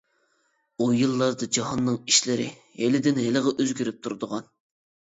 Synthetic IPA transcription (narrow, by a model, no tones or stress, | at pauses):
ujɨlˠːɑɾd̪ɨd͡ʒɑɦɑnːɨŋiʃlɪɾɪ̰ | helɪd̪ɪnɦeləʁɛʔøzɡʲyɾyp̚t̪ʰuɾd̪ʊʁɑn